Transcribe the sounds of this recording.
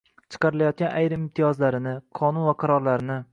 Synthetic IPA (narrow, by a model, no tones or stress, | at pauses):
t͡ʃʰɨ̥qʰɑɾɪlajɒt̪̚ɡʲanʔa̰jɾɪmɪmt̪ʰijɒzlaɾɪnɪqʰɒnunvaqʰɑɾɒɾlaɾɪnɪ